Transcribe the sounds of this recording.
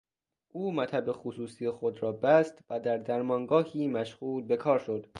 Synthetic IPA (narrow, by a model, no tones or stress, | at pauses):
ʔuːmæt̪ʰæbe̞xosuːsijexo̞d̪ɾɒːbæst̪væd̪æɾd̪æɾmɒːŋɡɒːhiːmæʃɣuːlbe̞kʰɒːɾʃo̞d̪̥